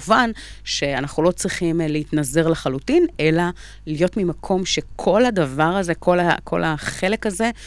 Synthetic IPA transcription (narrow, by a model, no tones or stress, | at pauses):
vanʃe̞anaχulo̞t͡sʁiχimleit̪nazeʁleχalutinʔe̞la | lijo̞tmimakʰo̞mʃe̞kʰo̞ladavaʁaze̞ko̞lakʰo̞̰laχe̞lekaze̞